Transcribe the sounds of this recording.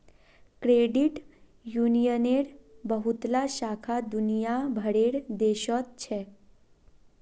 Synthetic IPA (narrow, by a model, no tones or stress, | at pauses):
kɾeɖiʈ | junijəneɽbəɦut̪laɕakʰad̪unijabʱəɽeɽd̪eɕɔt̪̚t͡ɕʰɛ